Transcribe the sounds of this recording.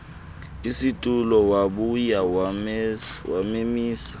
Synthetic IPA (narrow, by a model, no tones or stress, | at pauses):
isitʼulɔwaɓuja | wamemiːsḁ